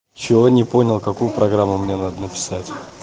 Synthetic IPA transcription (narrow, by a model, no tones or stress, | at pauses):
t͡ɕɪvonʲɪpo̞nʲɪlˠkɐkujʊpɾʔɐɡɾamːʊmnʲenad̪ənəpʲɪ̥satʲ